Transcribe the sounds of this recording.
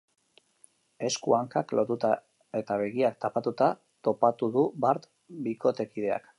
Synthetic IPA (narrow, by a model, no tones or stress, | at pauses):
e̞skuaŋkaklʔo̞t̪ut̪a | e̞t̪aβe̞ɣiak̚t̪apat̪ut̪a | t̪o̞pat̪uðubaɾt̪ | biko̞t̪e̞kið̞e̞a̰k